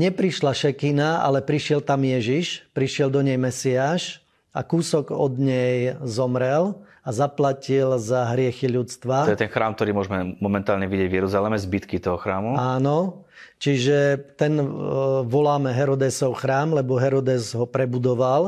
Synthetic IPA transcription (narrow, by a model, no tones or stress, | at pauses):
ɲɛpɾiʃlaʃɛkinaa̰lɛpɾiʃɪɛlt̪amjɛʒiʃpɾiʃɪɛld̪ɔɲɛjmɛsiaːʃ | a̰kuːsɔɡɔd̪ɲɛjzɔmɾɛl | azaplacilzaɦɾɪɛxiʎut͡st̪ʋaɔjɛt̪ɛnxɾaːmk̚t̪ɔɾiːmʊɔʒmɛmɔmɛnt̪aːlɲɛʋiɟɪɛɟvjɛɾuzalɛmɛzbit̪kit̪ɔɦɔxɾaːmuaːnɔ | t͡ʃiʒɛt̪ɛnʋɔlaːmɛɦɛɾɔd̪ɛsɔʊxɾaːmlɛbɔɦɛɾɔd̪ɛzɦɔpɾɛbud̪ɔʋal